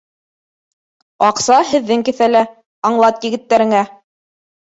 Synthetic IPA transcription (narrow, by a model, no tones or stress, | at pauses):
ɑqsɑhɘ̆ðːɘŋkɘ̆θælæ | ɑɴlˠɑt̪jɘ̆ɡɘ̆t̪ːæɾɘ̆ŋæ